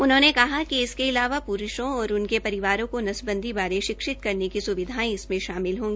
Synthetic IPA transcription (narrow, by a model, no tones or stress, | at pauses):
ʊnɦõːnekɐɦakiɪskeɪlaːʋapuɾʊʃõɔːɾʊnkepɐɾɪʋaːɾõkonɐsbə̃nd̪ʱibaːɾeʃɪkʃɪt̪kɐɾnekisʊʋɪd̪ʱaːẽɪsmẽʃaːmɪlɦõːŋɡiː